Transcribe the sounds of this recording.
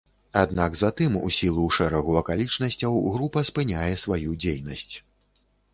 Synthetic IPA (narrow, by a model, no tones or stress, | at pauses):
ad̪naɡzat̪ɨmṵsʲilˠuʂɛɾɐɣuɐkalʲit͡ʂnɐsʲt͡sʲɐwɣɾupɐspɨnʲajɛsvajud͡zʲejnɐsʲt͡sʲ